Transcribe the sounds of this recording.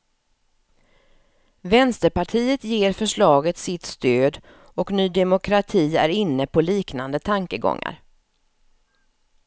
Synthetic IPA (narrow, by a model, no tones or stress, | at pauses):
vɛnst̪əɾpaʈʰiːət̪jeːɾfœʂɭɑːɡət̪sɪt̪st̪øːd̪ | ɔknyːd̪ɛmʊkʰɾat̪ʰiːæ̰ɾɪnːəpʰɔliːknand̪ət̪ʰaŋkəɡɔ̰ŋːa̰ɾ